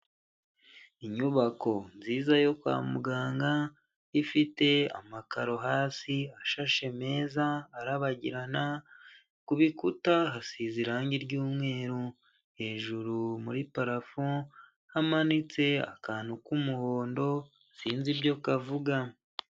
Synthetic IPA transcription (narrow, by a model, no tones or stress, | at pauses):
iɲuβako̞nziːzajo̞kwa̰ːmuɡaːŋɡa | ifite̞a̰makaɾo̞ɦaːsiaʃaʃe̞me̞ːzaːɾaβaɟḭɾana | kuβikutaɦasiziɾaːɲɟiɾɟuːmŋe̞ːɾu | he̞ːʒuɾumuɾipaɾafo | hamanit͡se̞a̰kaːn̥hukumuho̞ːndo̞ | siːnzibjo̞kavuɡa